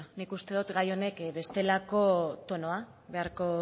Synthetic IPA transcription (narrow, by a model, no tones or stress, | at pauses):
nikust̪e̞ðut̪ɡajo̞ne̞kβe̞st̪e̞lako̞t̪o̞no̞aβe̞aɾko̞